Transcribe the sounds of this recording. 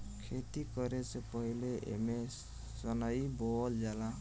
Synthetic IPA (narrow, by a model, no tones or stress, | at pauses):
kʰet̪ikʌɾesepʌɦileʔḛme | sʌnajbold͡ʒala